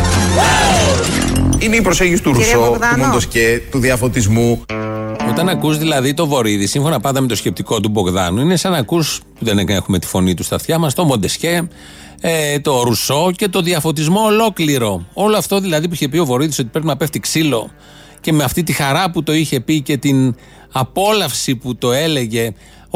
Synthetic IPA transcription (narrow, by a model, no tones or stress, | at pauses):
ineipɾose̞ɲɟisi̥t̪uɾusoumond̪oscet̪uðiɐfo̞t̪izmu | o̞t̪ɐnɐkuzðilɐðit̪o̞vo̞ɾiðisiɱfonɐpɐnd̪ɐme̞t̪osce̞p̚t̪iko̞t̪̬ubo̞ɣðɐ̰nuine̞sɐnɐkuspuðe̞nekne̞xume̞t̪i̥fo̞nit̪ust̪ɐft̪çɐmɐst̪o̞mo̞nd̪e̞sce̞ | t̪o̞ɾuso̞ce̞t̪o̞ðiɐfo̞t̪izmo̞ːlo̞kliɾo̞o̞loɐft̪o̞ðilɐðip̬uiçe̞pio̞vo̞ɾiðiso̞t̪i̥pɾe̞p̬inɐpe̞ft̪iksilo̞̰ | ce̞meɐft̪it̪ixɐɾɐput̪o̞içe̞pice̞t̪in | ɐpo̞lɐfsiput̪o̞e̞le̞ʝe̞